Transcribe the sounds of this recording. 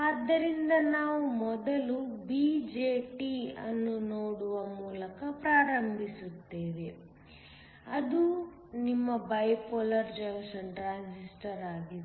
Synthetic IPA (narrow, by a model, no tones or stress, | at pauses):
aːd̪ːɐɾind̪ɐnaːʋumɔd̪ɐlubiːd͡ʒeːʈiɐ̰nːunoːɽuʋɐmuːlɐkɐpɾaːɾɐmbʱisut̪ːeːʋe | ɐd̪u | nimːɐbɐjpoːlɐɾd͡ʒɐɡsɐɳʈɾaːnsisʈɐɾaːɡie